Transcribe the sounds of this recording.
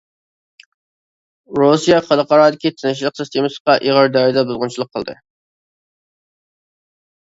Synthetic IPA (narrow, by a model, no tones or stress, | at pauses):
ɾosijɑχɑlˠəqʰɑɾɑːd̪ɪkʲit̪ʰɪnɪʃ̬lˠəqsɨst̪ʰemɨsə̥qɑʔiʁəɾd̪ɑɾɪd̪ɛbozʁʊnt͡ʃʰilˠəqʰːəlˠd̪ɨ̰